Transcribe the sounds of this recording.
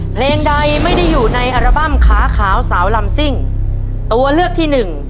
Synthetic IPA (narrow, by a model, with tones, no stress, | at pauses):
pʰleː˧ŋda˧jma˥˩jda˥˩jːuː˨˩na˧jʔa˧ɾa˧ba˥˩mkʰaː˩˦kʰaː˩˦wsaː˩˦wla˧msi˥˩ŋ | t̪u˧ɐlɯ˥˩ək̚t̪ʰiː˥˩nɯ˨˩ŋ